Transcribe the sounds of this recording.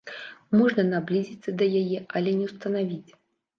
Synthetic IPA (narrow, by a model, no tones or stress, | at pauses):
mɔʐnɐnablʲizʲit̪sːɐd̪ɐjajɛʔɐlʲɛnʲɛwst̪ɐnavʲit͡sʲ